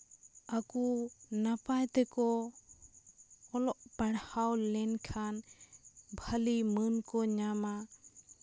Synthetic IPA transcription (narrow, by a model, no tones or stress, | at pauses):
akunapajt̪ɛkɔ | ɔlɔʔpaɽhawlɛnkʰan | bʱəlimənkɔɲama